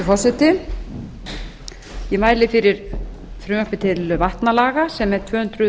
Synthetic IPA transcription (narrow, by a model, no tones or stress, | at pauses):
fɔsɛt̪ɪ | jɛmaːjlɪfɪɾɪɾ | fɾʏɔpɪt̪ʰɪlvaht̪nalaːɣasɛmɛɾ̥t̪ʰvœːhʏnt̪ɾʏ